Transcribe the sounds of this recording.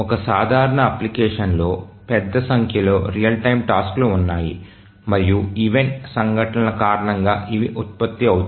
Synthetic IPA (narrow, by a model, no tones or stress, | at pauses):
ɔkɐsaːd̪ʱaːɾɐɳɐɐplikɛːʂɐnlo̞ːpɛd̪ːɐsɐŋkʰjɐlo̞ːɾijɐlʈɐjmʈaːskloːunːaːjḭ | mɐɾijuiʋeɳʈsɐŋɡʱɐʈɐnɐlɐkaːɾɐɳɐŋɡaːʔiʋiʔut̪̚pɐt̪ːiɐwut̪